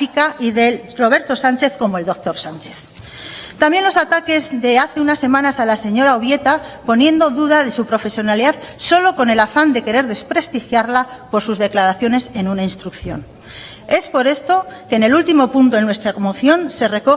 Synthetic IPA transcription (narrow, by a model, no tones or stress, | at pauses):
ikaiðe̞ro̞β̞e̞ɾt̪o̞sant͡ʃe̞θko̞mo̞e̞ld̪o̞k̚t̪o̞ɾsant͡ʃe̞θ | t̪ambje̞nlo̞sat̪ake̞zðe̞aθe̞unasːe̞mãnasalase̞ɲo̞ɾaoβje̞t̪apo̞nje̞nd̪o̞ðuð̞aðe̞supɾo̞fe̞sjo̞naliðaðso̞lo̞ko̞ne̞lafand̪e̞ke̞ɾe̞ɾðe̞spɾe̞st̪ixjaɾlapo̞ɾsuzðe̞klaɾaθjo̞ne̞se̞nunainst̪ɾukθjo̞̰n | e̞spo̞ɾe̞st̪o̞kene̞lult̪imo̞punt̪oenwe̞st̪ɾamoθjo̞nse̞re̞ko̞